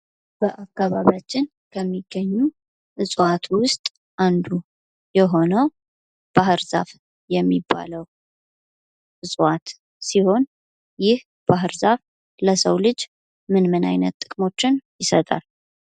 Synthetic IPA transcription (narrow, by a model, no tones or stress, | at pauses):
b̥əʔakːaβaβjat͡ʃːɪn | kʰəmːiɡːəɲːu | ʔɨsʼwat̪wʊst̪ʼ | ʔand̪u | jɛɦo̞nəw | b̥ahɨɾza̰f | jɛmːibːa̰ləw | ʔɨsʼwat̪ | siho̞n | jɪh | b̥aɦɨɾzaf | ləsəwlɨd͡ʒ | mɨnmɨna̰jnət̪ːʼɨkʼmo̞t͡ʃːɪnjɪsət̪ʼa̰l